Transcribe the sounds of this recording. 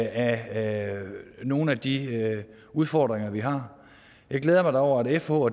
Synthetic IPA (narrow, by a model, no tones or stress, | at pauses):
æ | no̝ːn̩æd̥i | uð̞ˠfɒːd̥ʁeŋɐʋiɦɑ̈ | jɑ̈ɪɡ̥leːð̞ˠɐmɑ̈ɪ̥ɑ̈ɒʊ̰ɐæɾefo̰ɒ